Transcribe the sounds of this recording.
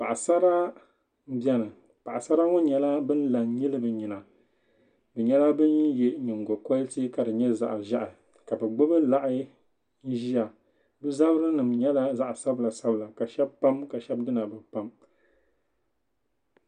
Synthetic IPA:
pa˨ʔa˨sa˦ɾa˦ | bɛ˦nɨ˨ | pa˨ʔa˨sa˦ɾa˦ŋo˦ɲɛ˨la˦bɨ˦n˦la˨ŋɲi˦lɨ˦bɨ˨ɲi˨na˨ | bɨ˨ɲɛ˦la˦bɨ˦njɛ˨ɲɪ˨ŋ˨ɡo˨kɔ˦lti˦ka˨dɨ˨ɲɛ˦za̰˨ʔʒa˦ʔɪ˨ | ka˨bɛ˨ɡ͡bo˦bɨ˦la˦ʔɪ˦ | n̩˦ʒi˦a˨ | bɨ˦za˦bɨ˦ɾɨ˦nɨ˨mɲɛ˦la˦za˦ʔsa˦bla˨sa˦bɨ˦la˨ka˨ʃɛ˦bpa˦mka˨ʃɛ˦bdɨ˦na˨bɨ˨pa˦m

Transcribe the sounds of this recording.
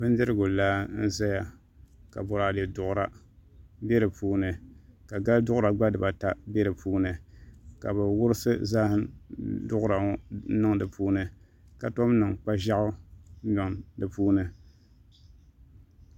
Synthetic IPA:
bɨ˦ndɨ˦ɾɨ˦ɡʊ˨laː˦n̩˦za˦ja˨ | ka̰˨bʊ˨ɾa˨dɛ˨dʊ˨ʔʊ˦ɾa˦ | bɛ˦ɾɨ˨pʰuː˦nɨ˨ka˨ɡa˦ldʊ˦ʔʊ˦ɾa˨ɡ͡ba˦dɨ˨ba˨ta˦bɛ˦ɾɨ˨puː˦nɨ˨ka˨bɨ˨wʊ˦ɾɨ˦sɨ˦zaː˦hɨ˦mdʊ˦ʔʊ˦ɾa˨ŋ̩˦nɨ˦ŋdɨ˨pʰuː˦nɨ˦ | ka˨to˦m˦nɨ˨ŋk͡pa˦ʒa˦ʔʊ˦ɲɔ˨ŋdɨ˨puː˦nɨ˦

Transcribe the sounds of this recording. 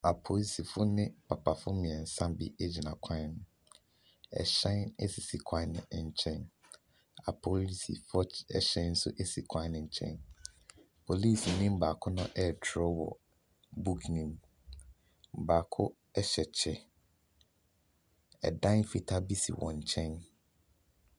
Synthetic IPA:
a˨pʰo˨li˦si˨fʊ˦nɪ̃˦pʰa˨pʰa˨fʊ˦mĩ˨ɛ˨n̩˨sã˦bḭ˦e˦d͡ʑi˨nã˨kʷʰã˦˨n˦ | ɛ̰˨ɕɛ̃˦nɛ˦si˨si˨kʰã˦nɪ̰̃˨ɲ̩˨t͡ɕʰɛ̃˦n | a̰˨pʰo˨li˦sḭ˨fɔ˦ɛ˨ɕɛ̃˦n̩˦sʊ̰˦ʔe˦si˨kʰã˦nɪ̃˨ɲ̩˨t͡ɕʰɛ̰̃˦n | pʰo˨liː˦˨si˨nĩ˦m˦baː˨kʰʊ˦nʊ̃˦ʔɛ˦˨tʰɾɔ˦wɔ̰˨ | bu˦kʰnĩ˨m˨ | baː˨kʰʊ˦ | ɛ˦ɕɛ˨t͡ɕʰɛ˨ | ɛ̰˨dã˦nfi˨tʰa˦bi˦sḭ˨wɔ̰̃˨ɲ̩˨t͡ɕʰɛ̃˦n

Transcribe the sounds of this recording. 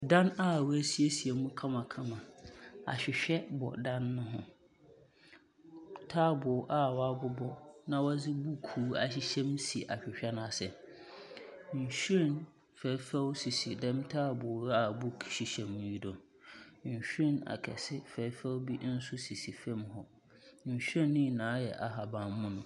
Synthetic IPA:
dã˦na˦˨wæ˦si˦e˦si˨e˨mũ˦kʰã˦mã˨kʰã˦mã˨a̰˨ɕᶣɪ˨ɕᶣɛ˦bɔ̰˨dã˦nːʊ̃˦ɦʊ̃˨ | tʰaː˦bʊː˨ʔa˦wa˦bʊ˦bɔ˦nã˦wɔ˦d͡zɪ˦bu˦kʰuː˨˦a˨ɕi˦ɕɛ̃˦msi˨ʔa˨ɕᶣɪ˨ɕᶣɛ˦nʊ̃˨a˨sɛ˨ | ɲ̩˨ɕu˦ĩ˦˨n | fɛː˨˦fɛ˦wsi˨si˨dɛ̃˦mtʰaː˦bʊ˨a˨bu˦kʰi̥˨ɕi˨ɕɛ̃˨m̃ː˨ji˦dɔ̃˨m | ɲ̩˨ɕᶣĩ˦na̰˨kʰɛ˨sɪ˦fɛ˨˦fɛ˦wbi˦n̩˦sʊ˦si˨si˨fã˦˨mhɔ˨ | ɲ̩˨ɕᶣɛ˦nːĩ˦˨nãː˨˦jɛ˨ʔa˨ɦa˨bã˨mmʊ̃˦nʊ̃˨

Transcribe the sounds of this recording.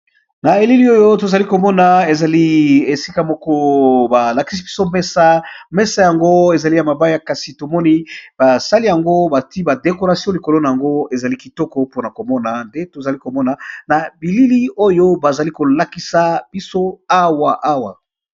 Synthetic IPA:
na˨e˨li˦li˦o˦jo˦to˨za˨li˦ko˨mɔ˦na˨e˨za˨li˦e˨si˦ka˦mɔ˦kɔ˦ba˨la˨ki˦si˦bi˦so˦mɛ˦sa˦mɛ˦sa˦˨ja˨ŋɡo˦e˨za˨li˦ja˨ma˨ba˦ja˦˨ka˨si˨to˨mɔ˦ni˦ba˨sa˦li˦ja˨ŋɡo˦ba˨ti˦ba˨de˨ko˨ʁa˨sjɔ̃˦li˨ko˨lo˦na˨ja˨ŋɡo˦e˨za˨li˦ki˨tɔ˦kɔ˦po˦na˨ko˨mɔ˦na˨nde˦to˨za˨li˦ko˨mɔ˦na˨na˨bi˨li˦li˦o˦jo˦ba˨za˨li˦ko˨la˦ki˦sa˦b̥i˦so˦a˦wa˨ʔa˦wa̰˨

